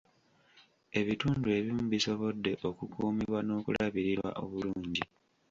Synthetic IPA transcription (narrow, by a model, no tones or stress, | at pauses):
e̞βituːndue̞βimuβiso̞βo̞dːe̞ʔo̞kukuːmiβwano̞ːkulaβiɾiɾwa̰ʔo̞βuluːɲɟi